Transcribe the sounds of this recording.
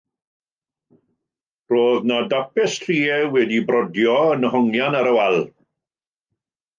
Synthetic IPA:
roːðnadapɪstʰriːɛwɛdibrɔdjɔənəhɔŋjanaɾəwalˠ

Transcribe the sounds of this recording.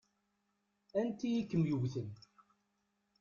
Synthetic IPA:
ænt̪ijikːəmjuʝθən

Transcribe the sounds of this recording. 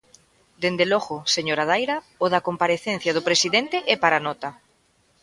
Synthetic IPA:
d̪end̪elɔɣʊseɲoɾaðajɾa | oðakompaɾeθen̟θjaðʊpɾesiðent̪eʔɛpaɾanɔt̪a

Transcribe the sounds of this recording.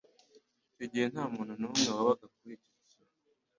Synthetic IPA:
tiɟihen̥haːmuːn̤̥hunuumŋeaβakak̚uɾiciisa

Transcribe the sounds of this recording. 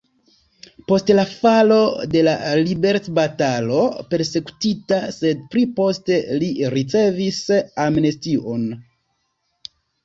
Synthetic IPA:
po̞stlafalo̞de̞la̰libe̞ɾtbatalo̞pe̞ɾse̞ku̥titase̞d̚pɾipo̞ste̞liɾit͡se̞visamne̞stio̞n

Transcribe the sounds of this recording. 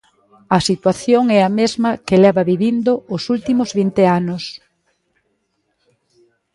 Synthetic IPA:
ɐsit̪waθjoŋɛɐmezmɐkelɛβɐβiβind̪oʊsult̪imozβint̪eanʊs

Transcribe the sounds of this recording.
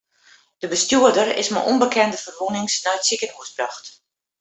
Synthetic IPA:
d̥əbəstjuədərɪ̰sma̰ʔɔnbəkʰɛndəfərʋunɪŋsnajtsikənuəsbraxt

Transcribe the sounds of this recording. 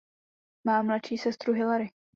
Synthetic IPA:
maːmːlat͡ʃiːsɛst̪ɾuɦɪlaɾɪ

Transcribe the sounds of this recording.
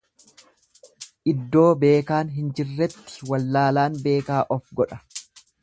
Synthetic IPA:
ʔɪd̪ːo̞ːbe̞ːkaːnɦɪnd͡ʒɪrːɛt̪ːɪ̥wɐlːaːlaːnbe̞ːkaːʔɔfɡɔᶑɐ̥

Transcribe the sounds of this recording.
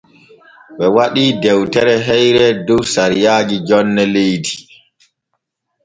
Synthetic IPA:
ɓɛwaɗiːdɛwtɛɾɛɦɛjɾɛdusaɾijaːd͡ʒid͡ʒɔnːɛlejdi̥

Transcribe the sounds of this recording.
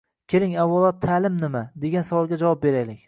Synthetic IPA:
kʲʰelɪŋavːɒlˠɒt̪ʰːalɪmnɪmad̪e̞ɡʲansavɒlˠɡʲad͡ʒavwɒp̚be̞ɾajlɪkʲ

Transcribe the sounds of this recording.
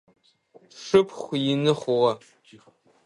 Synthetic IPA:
ʂɨpʰχʷjɪnɨχʷʊʁɐ

